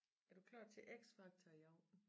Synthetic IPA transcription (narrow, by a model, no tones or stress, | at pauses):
æɐd̥ukʰlɑ̰̈ːd̥̚t͡sʰe̝ʔeɡ̥sfɑ̈ɡ̥̚t͡sʰɑjɑʊ